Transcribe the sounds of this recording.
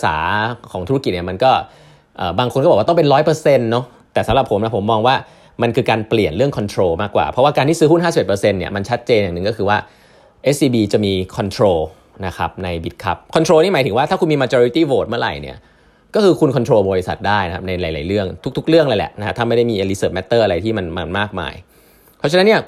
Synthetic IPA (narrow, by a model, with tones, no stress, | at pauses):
sa̰ː˩˦kʰɔː˩˦ŋt̪ʰu˦˥a˦˥ki˨˩t̪̚ni˥˩ma˧nkɔː˥˩ | ʔəː˨˩baː˧ŋkʰo˧nkɔː˥˩˨wt̪pe˧nɾɔː˦˥jpɤ˧se˧nːɔ˦˥ | t̪ɛː˨˩sa˨˦ɾa˨˩pʰːo˩˦mna˦˥pʰo˩˦mːɔː˧ŋwaː˥˩ | ma˧nkʰɯː˧kaː˧npli˨˩ənɾɯ˥˩əŋkʰɔ˧nt̪ʰɾoː˧maː˥˩kːwa̰ː˨˩pʰɾɔ˦˥waː˥˩kaː˧t̪ʰiː˥˩sɯː˦˥hu˥nhaː˥˩si˨˩ʔe˨˩pə˧se˧nːi˥ɐma˧nt͡ɕʰa˦˥t̪̚t͡ɕeː˧nja˨˩ŋnɯ˨ŋkɔ˥˩kʰɯː˧waː˥˩ | ʔe˦˥ssiː˧biː˧t͡ɕa˨˩miː˧kʰɔ˧nt̪ʰɾoː˧ | na˦˥kʰa˦˥p̚na˧jbi˨˦˩t̪̚kʰa̰˦˥p̚kʰɔ˧nt̪ʰɾoː˧niː˥˩maː˩˦t̪ʰɯ˩˦waː˥˩aː˥˩ku˧nmiː˧maː˧t͡ɕɔː˧ɾi˧˦˥t̪iː˥˩woː˨˩t̪̚mɯ˥˩ɐɾa̰˨˩jnḭ˦˥˩ɐ | kɔː˥˩kʰɯː˧kʰu˧nkʰɔ˧nt̪ʰɾoː˧bɔː˧ɾi˦˥sa̰˨˩t̪̚daː˥˩jna˦kʰa˦˥p̚na˧jlaː˩˦jla̰ː˨˩˦jɾɯ˥˩əŋt̪ʰu˥k̚t̪ʰu˥k̚ɾɯ˥˩əŋla˧jlɛ̰˨˩ʔna˦kʰa˦˥t̪ʰa˥˩ma˥˩jda˥˩jmiː˧ʔe˧li˧˥sɤː˨˩p̚mɛ˦˥t̪ːɤː˥˩ʔa˧ɾa˧jt̪ʰiː˥˩ma˧nma˧nmaː˥˩k̚ma̰ː˧j | pʰɔ˦˥t͡ɕʰa˧na˦nːi˥˩ɐ